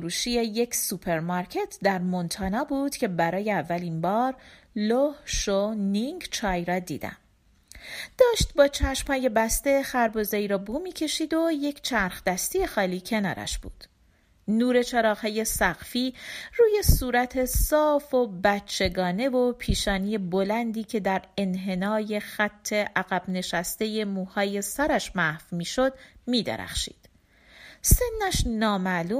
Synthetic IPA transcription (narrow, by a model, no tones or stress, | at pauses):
ɾuːʃiːjeje̞cʰsupʰe̞ɾmɒɾcʰe̞t̪ʰd̪æɾmont̪ʰɒːnɒːbuːd̪̥cʰe̞bæɾɒːjeævːælimbɒːɾ | lohʃoniŋɡt͡ʃʰɒːjɾɒːd̪ḭːd̪̥æ̰m | d̪̥ɒːʃt̪̚bɒːt͡ʃʰæʃmhɒːje̞bæst̪e̞xæɾbɒːzɒːiːɾɒːbuːmiːcʰe̞ʃiːd̪o̞je̞cʰt͡ʃʰæɾxd̪̥æst̪ije̞xɒːliːcʰe̞nɒ̰ːɾæ̰ʃb̥ṵːd̪̥ | nuːɾe̞t͡ʃʰeɾɒːxɒːje̞sæɣfiːruːje̞suːɾæt̪ʰe̞sɒːfo̞bæt͡ʃʰːe̞ɡɒːne̞vo̞pʰiːʃɒːnije̞bolænd̪iːcʰe̞d̪æɾe̞nɦe̞nɒːje̞xæt̪ʰːe̞ʔæɣæb̥ne̞ʃæst̪e̞je̞muːhɒːje̞sæɾæʃmæhfmiːʃo̞d̪miːd̪ḛɾæ̰χʃḭːd̪̥ | se̞nːæʃnɒːmæluː